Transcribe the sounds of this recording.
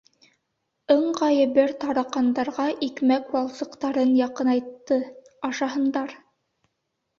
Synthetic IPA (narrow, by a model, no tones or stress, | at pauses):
ɤɴʁɑjɘ̆βɘɾt̪ɑɾɑqɑnd̪ɑɾʁɑʔikmækwɑlˠsɤ̆qt̪ɑɾɤnjɑqɤnɑjt̪ːɤɑʃɑɦɤ̆nd̪ɑɾ